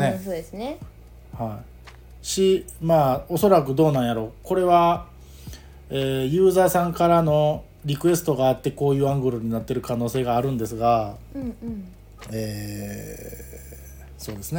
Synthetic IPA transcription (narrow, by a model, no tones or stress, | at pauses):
nesoːd̪esne | hai | ɕimaːo̞so̞ɾakɯ̟d̪o̞ːnãɰ̃jaɾo̞ko̞ɾe̞βa | eːjɯ̟ːzaːsãŋkaɾano̞ | ɾʲikɯ̟e̞sɨ̥t̪o̞ɡaːt̪ːe̞ko̞ːjɯ̟ːãŋɡɯ̟ɾɯɲ̟inat̪ːe̞ɾɯ̟kano̞ːse̞ːɡaːɾɯ̟̃nd̪e̞sɨɡã | ɴ | eː | so̞ːd̪e̞sɨne